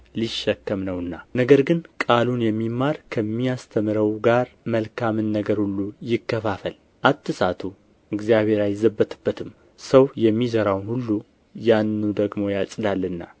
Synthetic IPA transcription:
liʃːɛkːəmnəwɨnːanəɡəɾɡɨnkʼalunjɛmːimːaɾkʰəmːijast̪ʰəmɨɾəwɡaɾməlkʰamɨnːəɡəɾhulːujɪkːəfafəl | ʔat̪ːɨsat̪ʰu | ɨɡzijaβe̞ɾajɛzəbːət̪ʰɨbːət̪ʰɨm | səwjɛmːizəɾawnhulːu | janːud̪əɡmo̞jasʼɨd̪alːɨnːa̰

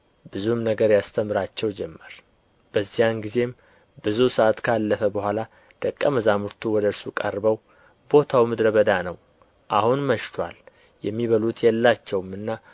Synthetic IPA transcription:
bɨzumnəɡəɾjast̪ʰəmɨɾat͡ʃːɛwd͡ʒɛmːəɾ | b̥əzːijanɡize̞m | bɨzusəʔat̪kʰalːəfəbəhʷala | d̪̥əkʼːəməzamuɾt̪ʰuwɔd̪əɾsukʼə̰ɾbəw | bo̞t̪ʰawmɨd̪ɾəβəd̪anəw | ʔahunməʃt̪ʰwal | jɛmːiβəlut̪jɛlːat͡ʃːɛwmɨnːa

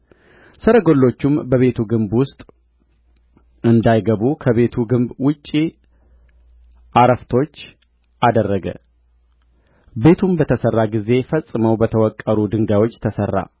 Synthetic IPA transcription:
səɾəɡo̞lːo̞t͡ʃːumbəβe̞t̪ʰuɡɨmbwʊst̪ʼ | ɨnd̪ajɡəβukʰəβe̞t̪ʰuɡɨmbwʊt͡ʃʼːi | ʔaɾəft̪ʰo̞t͡ʃː | ʔad̪ərːəɡə̰ | be̞t̪ʰumbət̪ʰəsərːaɡize̞fəsʼɨməwbət̪ʰəwɔkʼːəɾud̪ɨŋɡawo̞t͡ʃːt̪ʰəsərːa̰

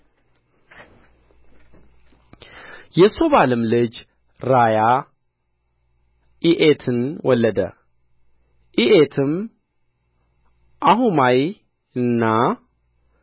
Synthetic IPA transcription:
jɛso̞βalɨmlɨd͡ʒ | ɾaja | iʔet̪ʰɨnwʔɔlːəd̪ə̰ | ʔiʔet̪ʰɨm | ʔaɦumaj | ɨnːa

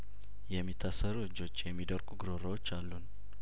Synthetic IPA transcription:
jɛmːit̪ʰːasːəɾuɨd͡ʒːo̞t͡ʃːjɛmːid̪əɾɡʼuɡɨɾoɾəwot͡ʃːalːun

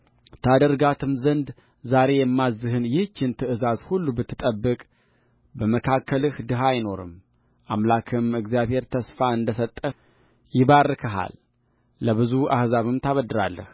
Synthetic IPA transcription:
t̪ʰad̪əɾɡat̪ʰɨmzənd̪ | zaɾe̞jɛmːazːɨɦɨnjɪht͡ʃːɪnt̪ʰɨʔɨzazhulːubɨt̪ʰːɨt̪ʼəbːɨkʼ | bəməkʰakːəlɨhd̪ɨɦajno̞ɾɨ̰m | ʔamlakʰɨmɨɡzijaβhe̞ɾt̪ʰəsfaɨnd̪əsət̪ʼːə | jɪβarːɨkʰəɦa̰lː | əβɨzua̰hzaβɨmt̪ʰaβəd̪ːɨɾa̰lːə̰h

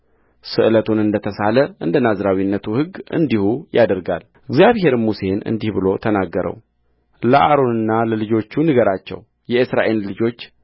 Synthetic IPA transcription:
sɨʔɨlət̪ʰunɨnd̪ət̪ʰəsaləʔɨnd̪ənazɾawinːət̪ʰuhɨɡːʔɨ̰nd̪ihujad̪əɾɡa̰l | ɡzjaβhe̞ɾmuse̞nɨ̰nd̪ihbɨlo̞t̪ʰənaɡːəɾə̰w | ləʔaɾo̞nɨnːaləlɨd͡ʒo̞t͡ʃːunɨɡəɾat͡ʃːɛ̰w | jɛɨsɾa̰ʔe̞llɨd͡ʒo̞t͡ʃː

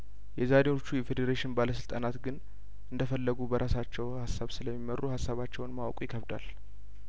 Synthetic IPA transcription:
jɛzad̪eot͡ʃːujɛfe̞d̪eɾeʃɪnbaləsɨlt̪ʼanat̪ɡɨn | ʔɨnd̪əfəlːəɡubəɾʔasat͡ʃːɛwhasːaβsɨləmːimərːuhasːaβat͡ʃːɛwnmawkʼujɪkʰəβd̪a̰l

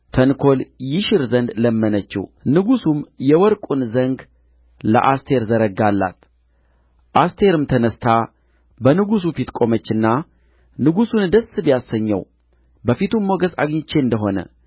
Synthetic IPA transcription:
t̪ʰənkʰo̞ljɪʃɪɾzənd̪ləmːənət͡ʃːḭwnɨɡusumjɛwɔɾkʼunzəŋɡ | lə̰ʔast̪ʰeɾzəɾəɡalːa̰t̪ | ʔast̪ʰe̞ɾɨmt̪ʰənəst̪ʰa | bənɨɡus̬ufit̪kʼo̞mət͡ʃːɨnːa | nɨɡusund̪əsːɨbjasːəɲːɛ̰w | bəfit̪umːoɡəsa̰ɡɲɪt͡ʃːeɨnd̪əɦo̞nə̰

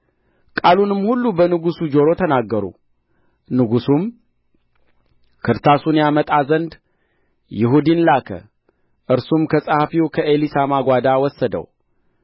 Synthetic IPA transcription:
kʼalunɨmːhulːubənɨɡusud͡ʒo̞ɾo̞t̪ʰənaɡːəɾṵ | nɨɡusum | kʰɨɾt̪ʰasunjamət̪ʼazənd̪ | jɪɦud̪inlakʰə̰ | ʔɨɾsumkʰəsʼahafiwkʰəʔelisamaɡʷad̪awɔsːəd̪ə̰w

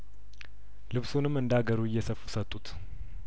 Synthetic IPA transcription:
lɨβsunɨmːɨnd̪aɡəɾujːɛsəfu̥sət̪ʼːut̪

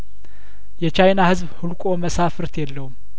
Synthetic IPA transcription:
jɛt͡ʃajnahɨzβhɨlkʼo̞məsafɨɾt̪jɛlːəhum

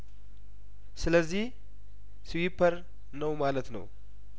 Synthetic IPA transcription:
sɨləzːih | siwipʰːəɾ | nəwmalət̪nə̰w

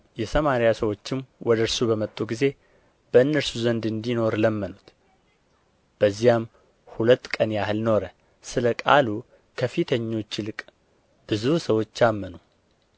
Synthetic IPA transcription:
jɛsəmaɾijasəwo̞t͡ʃːɪmwɔd̪əɨɾsubəmət̪ʼːuɡize̞ | b̥əɨnːəɾsuzənd̪ɨnd̪ino̞ɾləmːənut̪ | b̥əzːijam | hulət̪ːkʼənjaɦɨlno̞ɾə | sɨləkʼa̰lu | kʰəfit̪ʰəɲːo̞t͡ʃːlɨkʼ | b̥ɨzusəwo̞t͡ʃːamːənu

